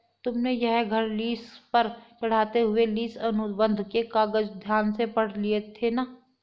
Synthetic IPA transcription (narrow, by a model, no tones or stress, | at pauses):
t̪ʊmnejɛɦɡʱɐɾliːspɐɾt͡ʃɐɽ̤aːt̪eɦʊeliːsɐnʊbə̃nd̪ʱkekaːɡəd͡ʒd̪ʱjaːnsepɐɽ̤liet̪ʰenaː